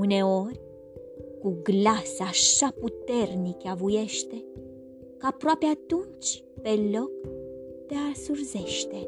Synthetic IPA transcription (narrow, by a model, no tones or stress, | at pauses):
une̞orʲ | kuɡlasaʃaput̪e̞rnikavuje̞ʃt̪e̞ | kapɾoapeat̪unt͡ʃʲ | pe̞lo̞kd̪̥easurzeʃt̪e̞